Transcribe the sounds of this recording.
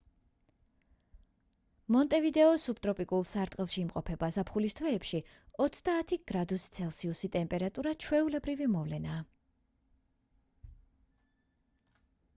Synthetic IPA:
mɔnt̪ʼɛvid̪ɛɔsup̚ʼt̪ʼɾɔpʼikʼulˠsaɾt̪ʼqʼilˠʃiːmqʼɔpʰɛbazapʰχulist̪ʰwɛːpʃi | ɔt̪sʰd̪aːt̪ʰiɡ̥ɾad̪ust̪sʰɛlˠsiusit̪ʼɛmpʼɛɾat̪ʼuɾat͡ʃʰwɛulɛbɾivimɔvlɛnaː

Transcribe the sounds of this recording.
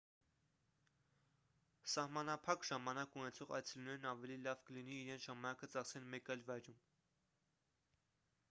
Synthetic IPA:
sɑhmɑnɑpʰɑkʒɑmɑnɑkunɛt͡sʰɔʁɑ̰j̪t͡sʰɛlunɛɾnɑvɛlilɑvkəliniːɾɛnt͡sʰʒɑmɑnɑkət͡sɑχsɛnmɛkɑjlvɑjɾum

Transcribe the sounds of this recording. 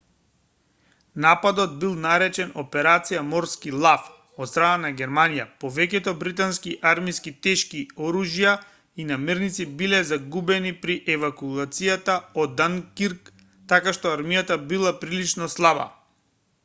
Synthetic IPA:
napad̪ɔd̪̚bilˠnaɾɛt͡ʃɛnɔpɛɾat̪sijamɔɾskilˠaf | ɔt̪st̪ɾananaɡʲɛɾmanija̰pɔvɛk̬ɛt̪ɔbɾit̪anskiʔaɾmiskit̪ɛʃkiɔɾuʒija | inamiɾnit̪sibilɛzaɡubɛnipɾiʔɛvakuat̪sijat̪aɔd̪ːaŋkiɾk | t̪akaʃt̪ɔaɾmijat̪abilˠapɾilit͡ʃnɔslˠaba̰

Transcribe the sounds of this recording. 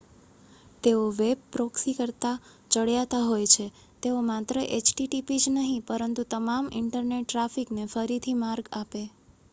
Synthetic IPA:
t̪eoʋeb̚pɾoksikəɾt̪a | d͡ʒəɽjat̪aɦojt͡ʃʰe | t̪eomat̪ɾəʔet͡ʃʈiʈipid͡ʒnəɦĩpəɾənt̪ut̪əmamɪ̰ɳʈəɾneʈːɾafiknefəɾit̪ʰimaɾɡape

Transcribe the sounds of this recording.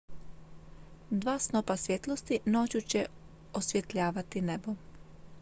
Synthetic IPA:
d̪ʋaːsnopasʋjet̪lˠost̪ino̞ːt͡ɕut͡ɕe | osʋʲje̞t̪ʎaːʋat̪inebo

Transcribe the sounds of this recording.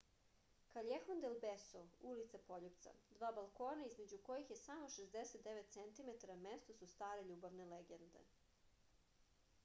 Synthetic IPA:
kaʎexond̪elbesoulit̪sapo̞ʎupt̪sa̰d̪ʋaːbalko̞ːnaizme̞d͡ʑuko̞jixjesamo̞ʃezd̪eset̪̚d̪eʋet̪tsent̪imet̪aɾame̞st̪osust̪aːɾe̞ʎuːbaʋne̞leɡend̪ḛ

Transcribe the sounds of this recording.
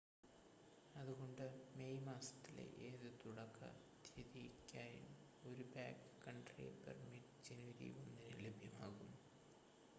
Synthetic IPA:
ɐðuɣo̞ɳɖɨme̞jmaːsɐ̥t̪ːilḛʔeːðɨt̪uɽɐkːɐ̰ | d̪ʱɐðikʲːaːjṵm | o̞ɾubaːkɨkːɐɳɖrḛːpḛrmiʈd͡ʑeniʋɐɾḭonːinɨlebʱjɐma̰ːɣum

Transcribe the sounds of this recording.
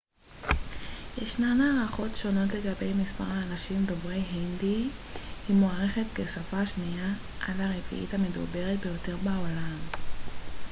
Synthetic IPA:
jḛʃnanaːʁaχo̞tʃo̞no̞tle̞ɡabe̞jmispaʁhaːnaʃimdo̞vʁe̞jɦindi | himoaʁe̞χetkesafaːʃnia | ʔa̰dhaʁefḭʔḭthame̞dṵbe̞ʁet̚bejo̞te̞ʁbaolam

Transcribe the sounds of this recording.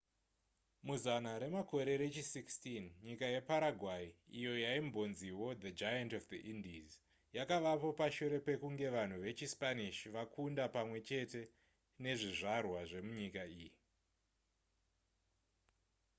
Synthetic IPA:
muzanaɾe̞mako̞ɾe̞ɾe̞t͡ʃisikstinɲikajepaɾaɡʱwaiijo̞jaimbo̞nziwo̞d̪ad͡ʒajantofd̪iʔindiz | jakaʋapo̞paʃuɾe̞pe̞kuŋɡe̞ʋan̤uʋe̞t͡ʃispaniʃiʋakʰundapamwe̞t͡ʃe̞te̞ | ne̞ʐiʐarwaʐe̞muɲikaiːji

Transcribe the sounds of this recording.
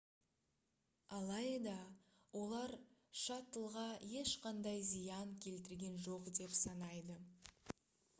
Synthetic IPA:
ɑlˠɑjd̪ɑ | wʔo̞lˠɑɾʃɑt̪əlˠʁɑje̞ʃqɑnd̪ɑjzijɑŋkʲʰe̞lt̪ɪɾɡʲe̞nʒoqd̪e̞psɑnɑjd̪ə

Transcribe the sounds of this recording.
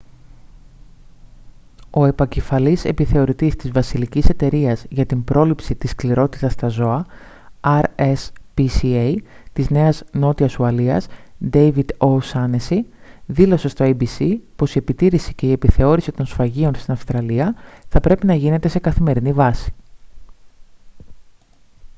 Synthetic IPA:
o̞e̞pɐce̞fɐlise̞piθe̞o̞ɾit̪ist̪izvɐsilicise̞t̪e̞ɾiɐzʝɐt̪imbɾo̞lipsit̪iskliɾo̞t̪it̪ɐst̪ɐzo̞ɐ | ɐɾespisiejt̪izne̞ɐzno̞t̪iɐsuɐliɐ̰zd̪ejvid̪osɐnesiðilo̞se̞st̪o̞ejbisipo̞sie̞pit̪iɾisi̥ce̞ie̞piθe̞o̞ɾisit̪o̞nsfɐʝio̞nst̪inɐfst̪ɾɐliɐθɐpɾe̞pinɐʝine̞t̪e̞se̞kɐθime̞ɾinivɐsi̥

